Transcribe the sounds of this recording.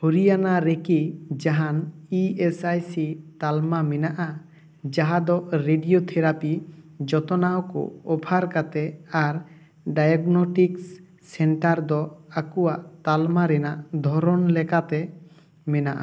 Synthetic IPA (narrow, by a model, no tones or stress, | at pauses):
hoɾijanaɾekid͡ʒaɦaniesajsit̪almamɛnaʔa | d͡ʒaɦad̪ɔʔɾeɖijot̪ʰɛɾapid͡ʒɔt̪ɔnawkɔ̰ɔbʱʰaɾkat̪ɛaɾ | ɖajaɡnɔʈiks | sɛɳʈaɾd̪ɔakuwaʔt̪almaɾɛnaʔd̪ʱɔɾɔnlɛkat̪ɛ | mɛnaʔa̰